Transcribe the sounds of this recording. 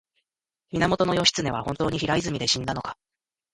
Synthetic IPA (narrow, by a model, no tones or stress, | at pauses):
mʲinamo̞t̪o̞no̞jo̞ɕi̥t͡sɨne̞βahõ̞nt̪o̞ːɲ̟içiɾaizɨmʲid̪e̞ɕĩnd̪ano̞kḁ